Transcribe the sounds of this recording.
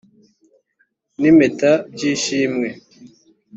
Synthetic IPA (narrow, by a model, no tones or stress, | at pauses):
nimetabɟiːʃiːmŋe